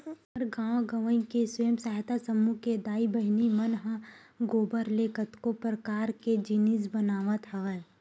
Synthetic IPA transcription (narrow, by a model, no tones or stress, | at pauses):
ɐɾɡãːʋɡəʋə̃ĩkesəjəmsaːɦt̪asəmuked̪aːibəɦnimənɦə̃ɡoːbəɾleːkət̪kopɾəkaːɾked͡ʒinis̬bənaːʋət̪ɦəɛ